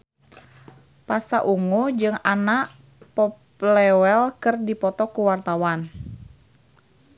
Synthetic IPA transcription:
pasa̰ʔuŋud͡ʒɨŋanaʔ | pɔplɛwɛlkɨrdipɔt̪ɔkuwart̪awan

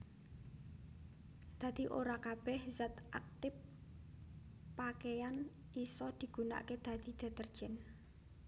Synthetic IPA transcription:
d̪̥ä̤d̪̥i̤ʔoɾakab̥ɛhzɛt̪ʔa̰k̚t̪ɪp | akejan | isɔd̪̥i̤ɡ̥ṳna̰ʔked̪̥ä̤d̪̥id̪̥a̤t̪ərd̥ʒ̥ɛn

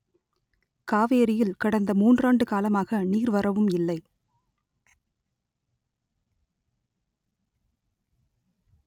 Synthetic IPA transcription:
kaːʋeːɾɪjɪlkɐɽɐnd̪ɐmuːndraːɳɖɯkaːlɐmaːɣɐniːɾʋɐrɐʋɯmɪlːɐɪ

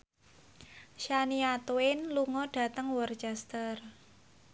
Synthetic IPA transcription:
ʃaniat̪oɪnluŋɔɖ̥a̤t̪əŋwɔrt͡ʃɛst̪ər

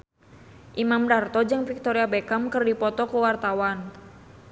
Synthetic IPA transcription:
ʔimamdart̪ɔd͡ʒɨŋfik̚t̪ɔɾiabekamkɨrdipɔt̪ɔkuwart̪awan

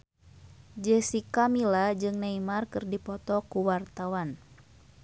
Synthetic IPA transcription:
d͡ʒɛsikamilad͡ʒɨŋnaimarkɨrdipɔt̪ɔkuwart̪awan

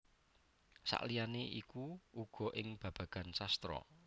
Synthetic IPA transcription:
sa̰ʔlijaneʔikuuɡ̥ɔ̤ʔɪŋb̥a̤b̥ä̤ɡ̥ä̤nsast̪ɾɔ̰

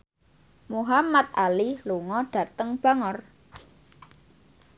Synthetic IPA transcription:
muɦamat̪̚ʔaliluŋɔɖ̥ä̤t̪əŋb̥a̤ŋɔr

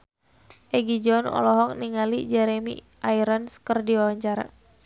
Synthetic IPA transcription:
ʔɛɡid͡ʒɔnɔ̰lɔɦɔk̚niŋalid͡ʒɛɾemḭ | ʔajɾənskərdiwawaɲt͡ʃaɾa̰

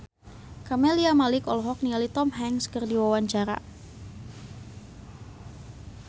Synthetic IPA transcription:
kameliamalɪkɔlɔɦɔk̚nialit̪ɔmɦɛŋskərdiwawaɲt͡ʃaɾa̰

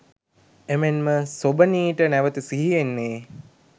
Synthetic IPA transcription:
emenməsobəniːʈənæʋət̪isiɦienːeː

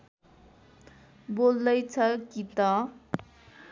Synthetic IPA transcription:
bold̪ʌjt͡sʰʌkit̪ʌ

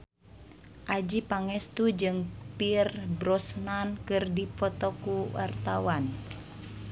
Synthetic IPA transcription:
ʔad͡ʒipaŋɛst̪ud͡ʒɨŋpirbɾɔsnankɨrdipɔt̪ɔkuwa̰rt̪awan

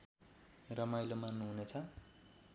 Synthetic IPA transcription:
rʌmajlomannuɦunet͡sʰʌ

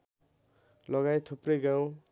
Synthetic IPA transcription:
lʌɡajt̪ʰoprʌjɡaw̃

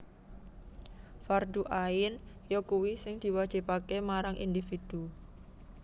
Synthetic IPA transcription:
fard̪uʔaɪnjɔkuwisɪŋd̪̥i̤wḁd͡ʒ̥ipakemaɾaŋʔḭnd̪ifid̪̥u

